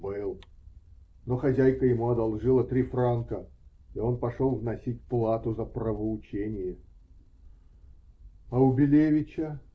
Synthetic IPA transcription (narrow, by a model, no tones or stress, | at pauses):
bɨlˠ | noxɐzʲæjkəjɪmuɐd̪ɐlˠʐɨlˠət̪ɾʲifrankə | io̞npɐʂolˠvnɐsʲitʲplˠat̪ʊzəpɾəvəʊt͡ɕenʲɪjə | ɐʊbʲɪlʲevʲɪt͡ɕə